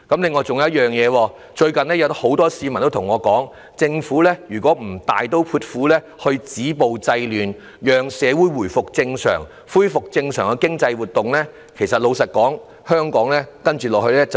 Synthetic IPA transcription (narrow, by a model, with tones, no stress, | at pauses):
kɐ˨˥mlɪ˨˧ŋːɔː˨˧t͡sʊ˨ŋjjɐ˥t̚jœː˨ŋjɛː˨˧wɔː˧ | t͡ʃɵ˧ɥkɐ˨nlɛ˥jɐ˨˧wt̪ho˨˥wt̪ɔː˥siː˧mɐ˨nt̪o˥tʰʊ˨˩ŋɔː˨˧kɔː˨˥ŋ | t͡sɪ˧ŋfuː˨˥lɛː˥jyː˨˩kʷɔː˨˥m̩˨˩t̪aː˨jt̪o˥wpʰuː˧t̚fuː˨˥lɛː˥ | hɵ˧ɥt͡siː˨˥po˨wt͡sɐ˧jlyː˨˩n | jœː˨˧ŋsɛː˨˧wuː˨˥jwuː˨˩jfʊ˨k̚t͡sɪ˧ŋsœ̰ː˨˩ŋ | fuː˥jfʊ˨k̚t͡sɪ˧ŋsœ̰ː˨˩ŋkɛ˧kɪ˥ŋt͡sɐ˧jwuː˨˩t̪ʊ˨ŋlɛː˥ | kʰe˨˩jsɐ˨t̚lo˨˧wsɐ˨t̚kɔː˨˥ŋ | hœː˥ŋkɔː˨˥ŋlɛː˥kɐ˥nt͡ʃy˨lɔː˨k̚ɦɵ˧ɥlɛː˥t͡sɐ˨